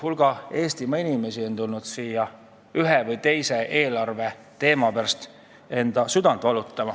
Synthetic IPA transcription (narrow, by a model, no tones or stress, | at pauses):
hulɡ̥ɑe̞ːst̪imɑinime̞sio̞nt̪ulnud̪̥siːjɑ | yɦevɯjt̪e̞jse̞ʔe̞ːlɑrve̞ | t̪e̞ːmɑpæɾst̪ | e̞nd̪̥ɑsyd̪ɑnd̪vɑlut̪ːˑɑmɑ